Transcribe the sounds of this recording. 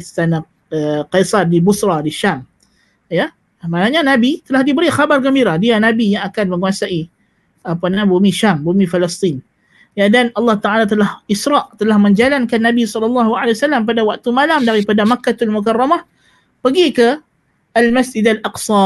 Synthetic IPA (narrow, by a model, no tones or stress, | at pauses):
st̪ana | əqejsardibusɾadiʃam | ja | manaɲanabit̪əlahdibəɾixabarkəmbiɾahdianabijaŋakanməŋuasaʔi | apanabumiʃambumifəlɛst̪ˤin | jadanʔɑlːɑht̪aʔalat̪əlahisɾɑʔt̪əlahməɲd͡ʒalankanːabisɔlɔlːɑɦualeasalːampadawak̚t̪umalamdaɾipadamakːat̪almukarˤːɑmah | pəɡikə | almasd͡ʒidalʔɑqsɑ